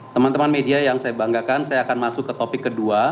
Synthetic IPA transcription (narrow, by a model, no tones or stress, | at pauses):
t̪əmant̪əmanmediajaŋsajabaŋɡakansajaːkanmasʊkːət̪opɪkːədua